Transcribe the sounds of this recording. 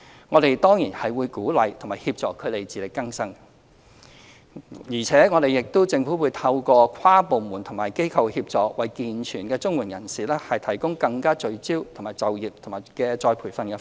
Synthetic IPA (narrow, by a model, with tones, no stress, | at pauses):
ŋɔː˨˧ɾe˨jt̪ɔː˥ŋjiː˨˩nhɐ˨jwuː˨˧jkuː˨˥lɐ˨jt̪ʰʊ˨˩maː˨˩hiː˧p̚t͡sɔː˨kʰːɵ˨˧ɥt̪e˨jt͡siː˨lɪ˨kːɐ˥ŋsɐ˥ŋ | jiː˨˩t͡sʰɛː˨˥ŋɔː˨˧ɾe˨jɪ˨k̚t̪o˥wt͡sɪ˧ŋfu˨˥wuː˨˧jt̪ʰɐ˧wkɔː˧kʰwaː˥po˨˧wmuː˨˩nt̪ʰʊ˨˩ŋmaː˨˩jke˥jkʰɐ˨˧whiː˧p̚t͡sɔː˨k̚wɐ˨jkiː˨nt͡ʃʰyː˨˩nkɛː˧t͡sʊ˥ŋwuː˨˩njɐ˨˩nsiː˨˩lɛː˥hɐ˨jt̪ʰɐ˨˩jkʊ˥ŋkɐ˧ŋkaː˥t͡ʃɵ˧ɥt͡siː˥wt̪ʰʊ˨˩ŋmaː˨˩jt͡sɐ˨wjiː˨˩p̚t̪ʰŋmaː˨˩jkɛː˧t͡sɔː˧jpʰuː˨˩jfɐ˧nkɛ˧